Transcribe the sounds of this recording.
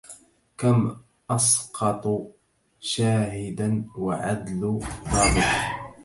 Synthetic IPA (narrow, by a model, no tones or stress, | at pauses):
kam | ʔɑsqɑt̪ˤ | ʃaːɦɪd̪anwaʕad̪lʊd̪ˤɑːbɪħ